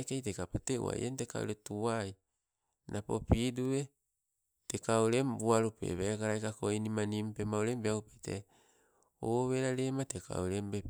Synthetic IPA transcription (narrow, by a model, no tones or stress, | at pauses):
kejtekapoteṵa̰j̰ʔenteka̰o̰ɾetuaj | nʔapo̰pidue | tekauɾembuaɾupḛβekaɾajkakoinimanimpemaoɾembeaupejtḛ | oβeɾaɾemateka̰oɾembe